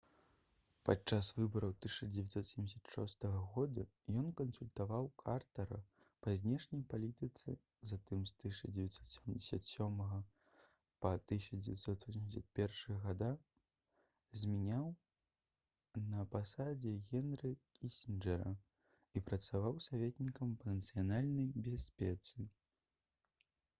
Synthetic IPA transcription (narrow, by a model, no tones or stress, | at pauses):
pa̰t͡ʂasvɨbɐɾɐwt̪ɨʂɐd͡zʲevʲɛt̪sɔt̪sʲɛmd͡zʲɪsʲḁt̪ʂɔ̰st̪ɐɣɐɣɔd̪u | jɔnkɐnsulʲt̪avawkʰart̪ɐɾɐ̰ | pɐzʲnʲɛʂnʲɐjpalʲit̪ɨt̪sɨ̰ | zat̪ɨmst̪ɨɐd͡zʲɛvʲɛt̪sɔt̪sʲɛmd͡zʲesʲat̪sʲɔmɐɣɐ | pɐt̪ɨɕʲɐd͡zʲevʲɛt̪sɔt̪sʲɔsʲemʲɪsʲɐt̪̚pʲɛrʂɨɣɐɣad̪a | zʲmʲɛnʲaw | nɐpasad͡zʲɛɣʲɛnɾɨkʲisʲinʐɛɾɐ | ipɾɐt̪savawsavʲɛt̪ʲnʲikɐmpɐnɐt̪sɨjanalʲnɐjbʲɛsʲpʲɛt̪sɨ